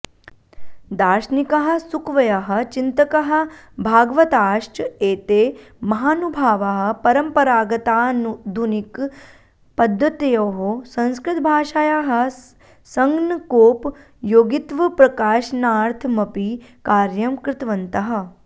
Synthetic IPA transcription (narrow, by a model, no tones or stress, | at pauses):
d̪aːʃnikɐɦɐ̆sukʋɐjɐɦɐ̆t͡ʃint̪ɐkɐɦɐ̆ | bʱaːɡʋɐt̪aːʂʈeːt̪eː | mɐɦaːnubʱaːʋaɦɐ̆pɐɾɐmpɐɾaːɡɐt̪aːnud̪ʱunik | pɐd̪ʱːɐt̪ɐjɐɦosɐ̃nskɾɪt̪̚bʱaːʃaːjaːɦɐ̆ | sɐŋɡnɐkoːp | joːɡit̪ʋɐpɾɐkaːʃnaːɾt̪ʰmɐpikaːɾjɐmkɾɪt̪ʋɐnt̪ɐɦɐ̆